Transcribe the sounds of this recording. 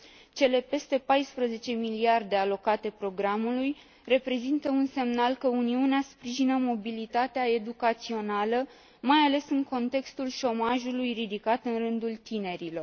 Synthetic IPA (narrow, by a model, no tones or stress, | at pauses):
t͡ʃe̞le̞pe̞st̪e̞pajspɾəze̞t͡ʃe̞miliard̪e̞alo̞kat̪e̞pɾo̞ɡɾamuluj | re̞pɾe̞zint̪əunse̞mnalkəuniuneaspɾiʒinəmo̞bilit̪at̪eae̞d̪ukat̪sio̞nalə | majale̞sɨŋko̞nt̪e̞kst̪ulʃo̞maʒulujrid̪ikat̪ɨnrɨnd̪ult̪ine̞ɾilo̞r